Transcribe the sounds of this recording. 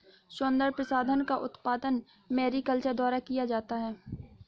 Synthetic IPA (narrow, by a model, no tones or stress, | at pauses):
ʃʊnd̪əɾpɾɐsaːd̪ʱənkaʔʊt̪paːd̪ən | mɛːɾikəlt͡ʃəɾd̪ɔːɾakijad͡ʒaːt̪aɦɛː